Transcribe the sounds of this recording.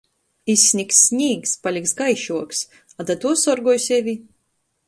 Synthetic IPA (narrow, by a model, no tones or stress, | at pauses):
isʲːnʲiksʲnʲiːkspalʲiksɡajʃuɔks | ad̪at̪uɔsɔɾɡɔjsʲɛvʲi